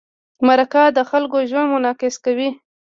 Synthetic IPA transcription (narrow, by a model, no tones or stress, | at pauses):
maɾakad̪əxalkoʒwanmʊnɑkɪskawi